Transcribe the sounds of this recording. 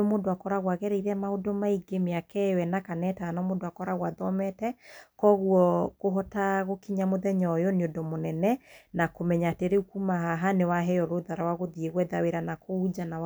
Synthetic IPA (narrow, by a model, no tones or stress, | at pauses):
omodoakɔɾaɣwaɣɛɾɛiɾɛmaodɔmaiɡemeakɛwɛnakanɛtaanɔmodoakɔɾaɣwaðɔmɛtɛkɔɣuɔɣoɦɔtaɣokiɲamoðɛɲɔjɔneodɔmonɛnɛnakomɛɲateɾeukumaɦaɦanewaɦɛjɔɾoðaɾawaɣoðieɣwɛðaweɾanakoud͡ʒanaw